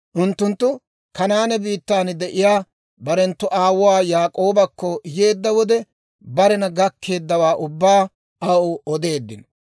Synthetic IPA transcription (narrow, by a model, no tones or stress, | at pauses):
ʔʊnt̪ːʊnt̪ːʊ | kɐnaːnɛbiːt̪ːaːnd̪ɛʔɪjaː | bɐɾɛnt̪ːʊʔaːwʊwaːjaːkʼo̞ːbɐkːɔje̞ːd̪ːɐwɔd̪ɛ | bɐɾɛnɐɡɐkʰːe̞ːd̪ːɐwaːʔʊbːaː | ɐʊɔd̪e̞ːd̪ːɪn